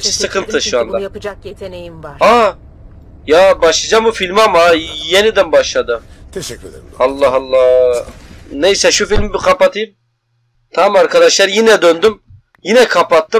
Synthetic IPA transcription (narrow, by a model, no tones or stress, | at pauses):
sɯkʰɯnt̪ʰɯʃuand̪a | a | jabaʃlˠɯd͡ʒambufilʲmamajenid̪ænbaʃlˠad̪ɯ | alˠːɑɦɑlˠːɑ | nejsɛʃufilʲmbikʰapat̪ʰɯjɯm | t̪ʰamaɾkʰad̪aʃlˠaɾjinɛd̪ønd̪ym | jinɛkʰapat̪ːɯ